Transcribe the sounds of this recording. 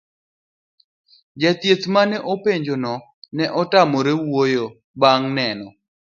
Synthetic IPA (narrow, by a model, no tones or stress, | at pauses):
d͡ʒat̪jet̪manɛʔopeɲd͡ʒonɔ | nɛʔɔtamɔɾewojo | baŋnɛnɔ